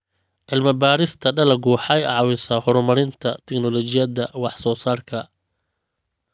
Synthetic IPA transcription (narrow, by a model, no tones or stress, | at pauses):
ʕɪlmɐbaːɾɪst̪ʰɐɖɐlɐɡuħɛjɑʕwɪsaːhɔɾmɐɾɪnt̪ʰɐt̪ʰɛknɔlɔt͡ʃɪjɐðɐwɑħsɔːsaːrkʰɐ